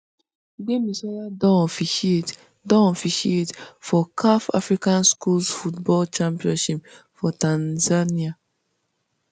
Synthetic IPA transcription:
bemisɔladɔfiet | dɔ̃ɔfiʃietfɔkʰafa̰fɹikãnskulsfutbɔlt͡ʃãmpiɔ̃nʃip̚ | fɔtãnzania

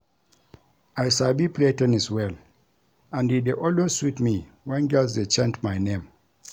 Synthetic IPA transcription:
ajsabipletɛ̃nɛswɛl | ãnideʔɔlwesswitmi | wɛ̃nɡɛlsdet͡ʃãntmajnẽm

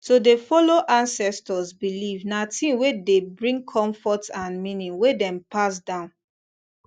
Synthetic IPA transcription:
todefɔloʔãnsɛstɔzbilivnatʰĩwedebɹĩŋkʰɔ̃ɱfɔtãnmĩnĩŋwedɛ̃mpas̬dãʊ̃n

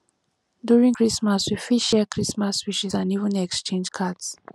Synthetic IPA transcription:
djuɹĩŋkʰɹismaswifiʃɛkʰɹismaswiʃizãnivə̃nɛkst͡ʃẽnd͡ʒkʰads

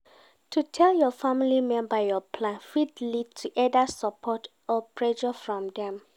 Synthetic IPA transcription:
tʰutʰɛljɔfamilimɛ̃nbajɔpʰlãnfidlid̚tʰuʔɛdasapʰɔt | ɔpʰɹɛʃɔfɹɔ̃mdɛ̃m

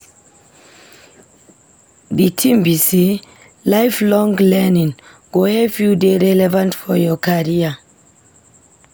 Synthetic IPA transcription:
ðitʰĩmbisi | lajflɔ̃ŋlɛnĩŋ | ɡ̥ohɛfjudeɹɛlɛvãntfɔjɔkʰaɹia

